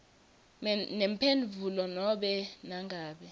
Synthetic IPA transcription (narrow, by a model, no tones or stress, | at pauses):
nempʰenvʱulɔnɔɓɛnaŋʱaːɓɛ